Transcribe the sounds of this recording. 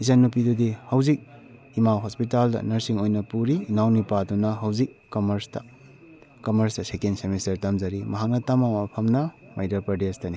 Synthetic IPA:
izɐnːupidudihɐwzik̚ | imawɦospitaldɐ̰nɐɾsiŋojnɐpuɾiːnawnipadunɐɦɐwzikːɐmɐɾstɐ | kɐmɐɾsdɐsekensemistɐɾtɐmzɐɾimɐɦak̚nɐtamawapʰɐmnɐmajdɐɾpɾɐdestɐni

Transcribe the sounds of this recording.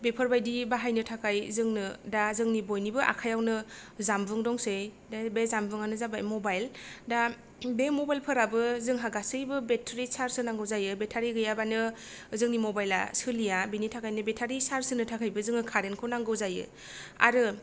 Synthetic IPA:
bepʰɯɾbajdibaɦajnɯtʰakʰajzɯŋnɯdazɯŋnibojnibɯʔa̰kʰajawnɯzambɯŋdɔŋse | dabezambɯŋanɯzabajmɔbajlda | bemɔbajlpʰɯɾabɯzɯŋɦaɡasɯjbɯbetʰɾisaɾsɯnaŋɡɯwzajɯbetʰaɾiɡɯjabanɯzɯŋnimɔbajla̰sɯlijabinitʰakajnɯbetʰaɾisaɾsɯnɯtʰakʰajbɯzɯŋɯkʰaɾenkʰɯnaŋɡɯwzajɯ̰ | a̰ɾɯ

